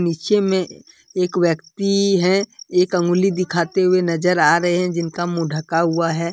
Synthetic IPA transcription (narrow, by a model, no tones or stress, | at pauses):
nɪt͡ʃemẽ | eːkʋjəkt̪iɦɛ̃eːkɐ̃ŋɡʊlid̪ɪkʰaːt̪eɦʊenɐd͡ʒəɾaːɾɐɦeɦɛ̃d͡ʒɪnkamũɖʱəkaɦuaɦɛː